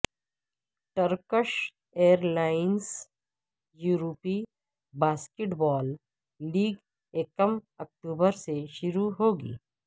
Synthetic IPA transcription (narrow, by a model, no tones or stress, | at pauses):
ʈəɾkəʃ | eːəɾlaːɪns | juːɾoːpi | baːskeʈbɔːlː | iːɡ | eːkəmɐk̚ʈuːbəɾseʃʊɾuɦoːɡḭː